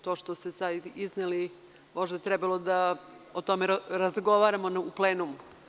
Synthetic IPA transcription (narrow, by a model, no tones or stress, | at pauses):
t̪oʃt̪osesad̪izneli | mo̞ʒd̪at̪ɾɛbalˠod̪a | ot̪omeɾazɡo̞ʋaːɾamonupleːnumu